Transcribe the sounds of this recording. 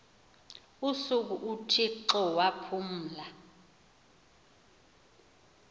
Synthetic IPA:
usuk̬uʔutʰiǁɔwapʰum̩ːla

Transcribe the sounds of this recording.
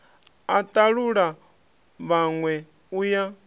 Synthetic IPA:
at̪ʼaɺuɺa | βaŋwɛ | uja

